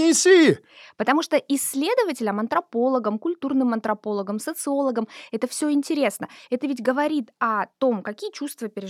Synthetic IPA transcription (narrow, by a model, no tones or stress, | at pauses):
ɪsʲi | pət̪ɐmuʂt̪oʔɪsʲːlʲe̞d̪əvətʲɪlʲəmɐnt̪ɾɐpo̞lˠəɡəmkʊlʲt̪urnɨmɐnt̪ɾɐpo̞lˠəɡəmsət̪sɨo̞lˠəɡəmɛt̪əfsʲɵɪnʲtʲɪɾʲe̞snəɛt̪əvʲɪtʲɡəvɐɾʲit̪ɐt̪o̞mkɐkʲijət͡ɕust̪vəpʲɪɾʲɪ